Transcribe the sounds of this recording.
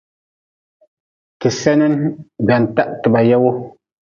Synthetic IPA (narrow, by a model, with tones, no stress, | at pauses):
tɪ˨sɛ˦nɛ˦nbɛ˨n˨ta˦ʔtɪ˨ba˨jɛ˦wʊ˦